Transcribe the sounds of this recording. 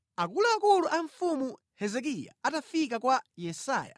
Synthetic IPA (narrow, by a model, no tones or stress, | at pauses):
akulaakuluʔaɱfumu | hɛzɛk̬ija̰atafik̬akwajɛsa̰ːja̰